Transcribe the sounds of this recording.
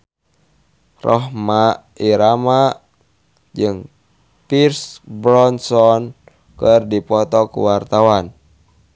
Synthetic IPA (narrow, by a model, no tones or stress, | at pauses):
rɔɦmaʔ | iɾamaʔ | d͡ʒɨŋ | pirsbɾɔnsɔn | kɨrdipɔt̪ɔkṵwart̪awan